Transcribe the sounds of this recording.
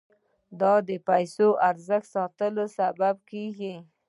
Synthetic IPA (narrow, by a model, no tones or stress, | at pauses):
d̪ɑd̪əpajsoʔaɾzəxt̪sɑt̪əlosabab̚keɡi